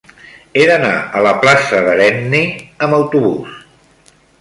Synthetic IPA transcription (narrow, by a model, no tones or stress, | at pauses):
eðəna̰ələplasəðəɾɛnniəməwt̪uβ̞us